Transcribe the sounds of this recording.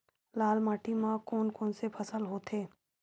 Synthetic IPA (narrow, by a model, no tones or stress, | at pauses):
laːlmaːʈimãkoːnkoːnsepʰəsəlɦoːt̪ʰeː